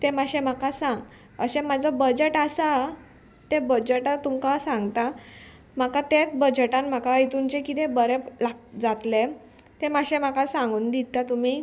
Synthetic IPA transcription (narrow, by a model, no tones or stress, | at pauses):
t̪emaɕem̤akasãŋɡ | ə̰ɕẽmad͡zɔbəd͡ʑeʈasa | t̪ebəd͡ʑeʈat̪umkasãŋɡt̪a | m̤akat̪et͡sbəd͡ʑeʈãnm̤akait̪uɲt͡ɕekit̪ebəɾelad͡zat̪le | t̪emaɕẽm̤akasãŋɡuːnd̪it̪at̪um̤i